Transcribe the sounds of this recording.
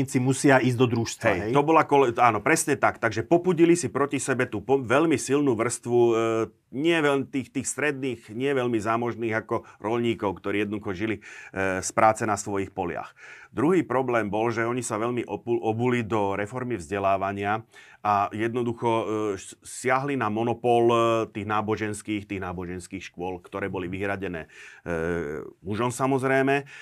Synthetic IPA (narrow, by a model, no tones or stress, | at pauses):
it͡simusɪaiːzd̪ɔd̪ɾuʃst̪ɦɛjɦɛj̪ɔbɔlakɔlɛaːnɔpɾɛsɲɛt̪akt̪aɡʒɛpɔpuɟilisipɾɔcisɛbɛt̪uːpɔʋɛlmisilnuːʋr̩st̪ʋu | ɲɪɛʋɛt̪iːxt̪iːxst̪ɾɛd̪niːɣɲɪɛʋɛʎmizaːmɔʒniːɣakɔɾʔɔʎɲiːkɔʊkt̪ɔɾiːjɛd̪nd̪uxɔʒilispɾaːt͡sɛnasʋɔjixpɔlɪa̰xd̪ɾuɦiːpɾɔblɛːmbɔlʒɛɔɲisaʋɛʎmiʔʔɔbulid̪ɔɾɛfɔɾmivzɟɛlaːʋaɲɪaʔajɛd̪nɔd̪uxɔ | sɪaɦlinamɔnɔpɔlt̪iːɣnaːbɔʒɛnskiːxt̪iːɣnaːbɔʒɛnskiːxʃkʊɔlkt̪ɔɾɛːbɔliʋiɦɾaɟɛnɛː | muʒɔmsamɔzɾɛjmɛ